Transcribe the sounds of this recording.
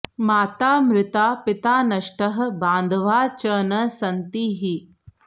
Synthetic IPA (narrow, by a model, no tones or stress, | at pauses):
maːt̪aːmɾɪt̪aːpɪt̪aːnɐʃʈəɦbãːnd̪ʱʋaːt͡ʃənɐsɐnt̪iːɦi